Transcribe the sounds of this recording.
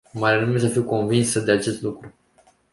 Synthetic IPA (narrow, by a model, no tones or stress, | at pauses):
maɾenumes̬əfiwko̞nvinsəd̪e̞at͡ʃe̞st̪lukɾu